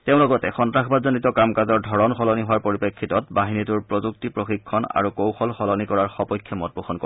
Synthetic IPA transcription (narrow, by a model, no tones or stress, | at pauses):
teʊ̃lɔɡɔtɛxɔntɹaxʰbadzɔnitɔkamkazɔɹdʱɔɹɔnxɔlɔniɦʊwaɹpoɹipekʰːitɔt̚baɦinituɹpɹozuk̚tipɹoxikʰːɔna̰ɹukowxɔlxɔlɔnikɔɹaɹxɔpɔjkʰːjɔmɔt̚buxɔnko̰